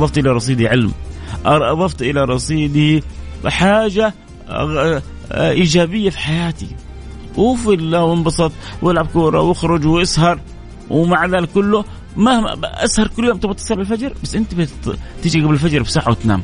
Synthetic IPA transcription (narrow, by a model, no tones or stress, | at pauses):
ðˤɑft̪ʔɪlaɾˤɑs̬ˤiːd̪iʕɪlmʔɑʔɑðˤɑft̪ʔɪlaɾˤɑsˤiːd̪ibħaːʒa | ʔiːd͡ʒaːbɪjːafi̥ħajaːt̪ḭ | ʔwɪfɪlːawɪmbɑsˤɑt̪ˤwɪlʕab̚kuːɾˤɑ̰wɪxɾʊd͡ʒwʔɪshɑɾˤ | wmaʕd̪aːlkʊlːʊ | mahma̰ʔashɑɾˤkʊlːjoːmt̪ɑbɑt̪ːɑsˤɑlbalfad͡ʒɾˤbasːʔɪnt̪ib̪t̪iːd͡ʒiɡablɪlfad͡ʒɾˤbsaːħːawɪt̪na̰ːm